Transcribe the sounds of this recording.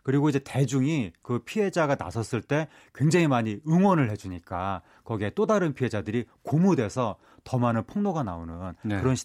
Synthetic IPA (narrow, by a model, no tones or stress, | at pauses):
kɯɾiɡoid͡ʑe̞te̞d͡ʑuŋikɯpʰiɦed͡ʑaɡana̰sʰʌs͈ɯɭt͈e̞ | kwe̞ŋd͡ʑeŋimaɲiɯŋwʌnɯɭhe̞d͡ʑuɲik͈a | kʌɡiet͈odaɾɯnpʰiɦe̞d͡ʑadɯɾikomudwe̞sʰʌ | tʌmanɯnpʰɯŋnoɡanaonɯnkɯɾʌnɕʰ